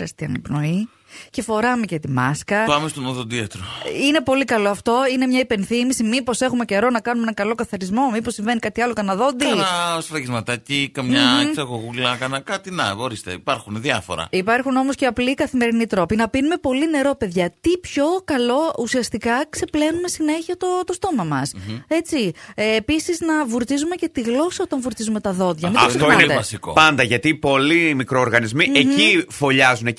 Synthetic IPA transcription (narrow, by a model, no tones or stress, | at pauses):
ɾɐst̪iɐ̰nɐpno̞i | ce̞fo̞ɾɐmecet̪imɐskɐpɐmest̪onoðod̪iɐt̪ɾoine̞po̞likɐlo̞ɐft̪o̞inemɲɐipe̞nθimisimipo̞se̞xume̞ce̞ɾo̞nɐkɐnumenɐkɐlo̞kɐθɐɾizmo̞miposːiɱve̞nikɐt̪iɐlokɐnɐðo̞nd̪iɐnɐsɾɐɣizmɐt̪ɐcikɐmɲɐksɐɣoɣulɐkɐnɐkɐt̪inɐ̰ɣo̞ɾist̪ḛipɐɾxunðiɐfo̞̰ɾɐ̰ipɐɾxuno̞mo̞sceɐplikɐθime̞ɾinit̪ɾo̞pinɐpinume̞po̞line̞ɾo̞pe̞ðʝɐt̪ipço̞kɐlo̞usiɐst̪ikɐkse̞ple̞nume̞sine̞çiɐt̪ot̪o̞st̪o̞mɐmɐse̞t͡siːpisiznɐvuɾt̪izume̞ce̞t̪iɣlo̞sɐot̪ɐɱvuɾt̪izume̞t̪ɐðo̞ðʝɐmeɐstoineɐsiko̰pɐnd̪ɐʝɐt̪ipo̞limikɾooɾɣɐnizmiʔecifo̞ʎɐzune